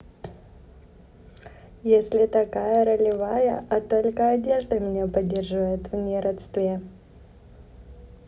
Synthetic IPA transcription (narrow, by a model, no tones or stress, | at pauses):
jesʲlʲɪt̪ɐkajəɾəlʲɪvajə̰ʔɐt̪o̞lʲkəɐdʲe̞ʐd̪əmʲɪnʲepɐdʲerʐɨvəjɪt̪vnʲeɾɐt̪st̪vʲe